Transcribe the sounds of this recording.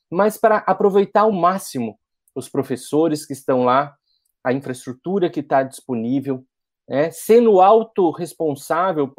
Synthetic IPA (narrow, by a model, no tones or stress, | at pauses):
mɐspɾɐʔapɾovejt̪aɾʊmasimʊ | ʊspɾofesoɾɪskɪːst̪ɐ̃w̃la | ɐĩfɾɐɪst̪ɾut̪uɾɐkɪt̪ad͡ʒisponivew | nɛsẽnd̪ʊawt̪ʊhespõsavewp